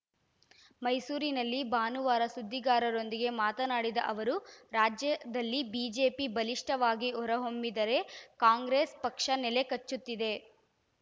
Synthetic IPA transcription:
mɐjsuːɾinɐlːibaːnuʋaːɾɐsud̪ʱːiɡaːɾɐɾo̞nd̪iɡe̞maːt̪ɐnaːɽid̪ɐ̰ʔɐʋɐɾuɾaːd͡ʒjɐd̪ɐlːibiːd͡ʒeːpibɐliʂʈɐʋaːɡiɔɾɐɦo̞mbid̪ɐɾe̞kaːŋɡɾeːspɐkʂɐnɛle̞kɐt͡ʃːut̪ːid̪e̞

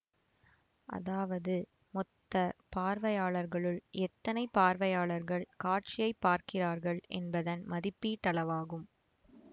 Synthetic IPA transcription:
ʔɐ̰ðaːʋɐðɯ | mɔt̪ːɐpaːɾʋɐjaːɭɐɾɣɐɭɯɭʔɛt̪ːɐnɐɪpːaːɾʋɐjaːɭɐɾɣɐɭkaːɾt͡ʃɪjɐɪpːaːɾkɪraːɾɣɐɭʔɛ̰nbɐðɐnmɐðɪpːit̪ɐɭɐʋaːɣɯm

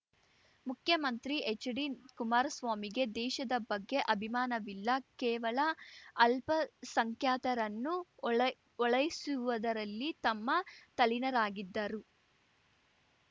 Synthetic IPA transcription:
mukʰjɐmɐnt̪ɾiʔet͡ʃːɐɽinkumaːɾɐsʋaːmiɡe̞d̪ɛːʃɐd̪ɐbɐɡːe̞ʔɐbʱimaːnɐʋilːɐkɛːʋɐlɐɐlpɐsɐŋkʰjaːt̪ɐɾɐnːu | ɔɭɐjisuʋɐd̪ɐɾɐlːit̪ɐmːɐt̪ɐlinɐɾaːɡid̪ːɐɾu

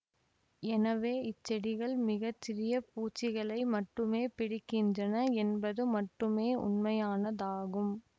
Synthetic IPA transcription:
ɛnɐʋeːɪt͡ʃːɛɽɪɣɐɭmɪɣɐt͡ʃːɪɾɪjɐpuːt͡ʃːɪɣɐɭɐɪmɐʈrɯmeːpɪɽɪkːɪndrɐnɐɛnbɐðɯmɐʈrɯmeːʔʊ̰nmɐjaːnɐðaːɣɯm

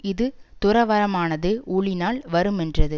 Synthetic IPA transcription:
ɪðɯt̪ʊɾɐʋɐɾɐmaːnɐðɯuːɭɪnaːlʋɐɾɯmɛndrɐðɯ

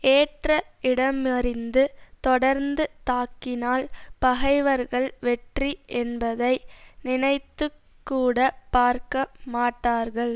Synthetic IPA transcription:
eːʈrɐɪɽɐmɐɾɪnd̪ɯt̪ɔɽɐɾnd̪ɯt̪aːkːɪnaːlpɐɣɐɪʋɐɾɣɐɭʋɛʈriʔɛnbɐðɐɪnɪnɐɪt̪ːɯ | kːuːɽɐpaːɾkɐmaːʈːaːɾɣɐɭ

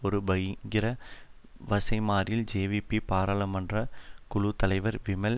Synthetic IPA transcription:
ɔɾɯbɐjŋɡɪɾɐ | ʋɐsɐɪmaːɾɪld͡ʒeːʋipːipaːɾaːɭɐmɐndrɐkʊɭʊt̪ɐlɐɪʋɐɾʋɪmɐl

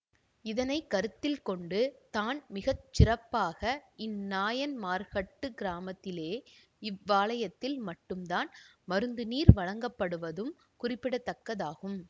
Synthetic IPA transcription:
ɪðɐnɐɪkːɐɾɯt̪ːɪlkɔɳɖɯt̪aːnmɪɣɐt͡ʃːɪrɐpːaːɣɐɪnːaːjɐnmaːɾɣɐʈːɯɡɪɾaːmɐt̪ːɪleː | ɪʋːaːɭɐjɐt̪ːɪlmɐʈːɯmd̪aːnmɐɾɯnd̪ɯniːɾʋɐɻɐŋɡɐpːɐɽɯʋɐðɯm | kʊrɪpːɪɽɐt̪ːɐkːɐðaːɣɯm

